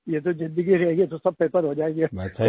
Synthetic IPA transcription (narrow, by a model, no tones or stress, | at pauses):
jet̪ozɪ̃nd̪əɡiɾɛeɡet̪osɐb̚peːp̪əɾɦod͡ʒaːeːɡemʰ